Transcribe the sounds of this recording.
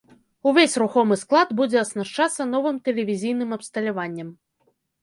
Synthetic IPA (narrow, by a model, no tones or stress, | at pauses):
uvʲesʲruxɔmɨsklˠad̪bud͡zʲɛɐsnaʂt͡ʂat̪sːɐn̪ɔvɨmt̪ɛlʲɛvʲizʲijnɨmɐpst̪ɐlʲavanʲːɐm